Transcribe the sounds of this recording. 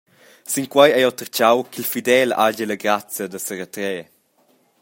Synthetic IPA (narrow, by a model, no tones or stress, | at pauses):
siŋkwajɛjɔt̪əɾt͡ʃawkilfid̪ɛla̰ɟələɡɾat͡sjəd̪əsəɾət̪ɾɛː